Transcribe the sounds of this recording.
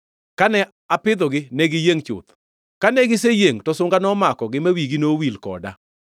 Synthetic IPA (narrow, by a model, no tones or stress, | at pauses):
kanɛ | apɪd̪ɔɡɪnɛɡɪjeŋt͡ʃʊ̰t̪ | kanɛɡɪs̬ejeŋtɔsʊŋɡanɔmakɔɡɪmawiɡinowilkɔ̰da̰